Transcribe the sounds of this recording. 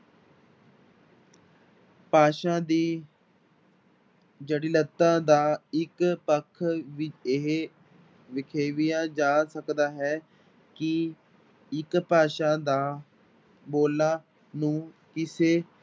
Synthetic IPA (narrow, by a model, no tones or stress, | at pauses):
paːʃãːd̪iː | d͡ʒəɽiːlət̪ːãːd̪aːɪkpəkʰʋɪt͡ʃeɦ | ʋɪkʰeːʋɪjãːd͡ʒaːsəkd̪aːɦɛː | kɪ | ɪkpaːʃãːd̪aː | boːlaː | nũː | kɪseː